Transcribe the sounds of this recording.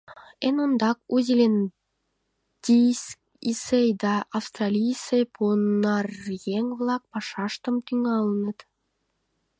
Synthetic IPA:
enond̪ɑk̚uzʲilʲen | d̪̥ʲis | isejd̪ɑʔːfst̪rɑlʲijsepʰonɑrjeŋβlˠɑk̚pɑʃɑʃt̪ə̆mt̪yŋɑlˠənə̆t̪

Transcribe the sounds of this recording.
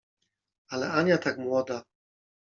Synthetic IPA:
alɛʔaɲat̪akmwɔd̪a

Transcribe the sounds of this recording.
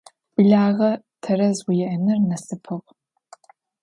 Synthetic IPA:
b̥ɨɮaːʁɐ | tʰɐɾɐzwijɛʔɐnɨrnɐsɨpʰɨʁ

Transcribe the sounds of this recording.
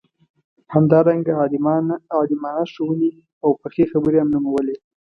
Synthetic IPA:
hamd̪ɑɾaŋɡa | ɑd̪ɪmɑnaʃəwuni | awpəxexabəɾeamnumawəle

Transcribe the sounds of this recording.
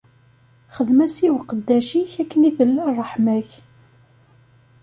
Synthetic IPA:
χəðmæsiwqəd̪ːæʃiçækːəniθəlːrˤːəħmæç

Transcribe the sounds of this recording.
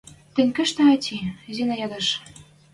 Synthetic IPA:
t̪ɘ̆nʲkɘ̆ʃt̪æ̆ɑt̪ʲʰizʲenæjɑd̪ɤ̆ʃ

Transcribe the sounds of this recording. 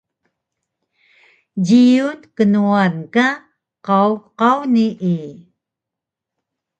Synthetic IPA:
ɟiunkənuanka | qawqawniʔi

